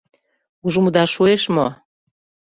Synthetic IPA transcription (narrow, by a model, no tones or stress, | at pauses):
uʒumud̪ɑʃueʃmo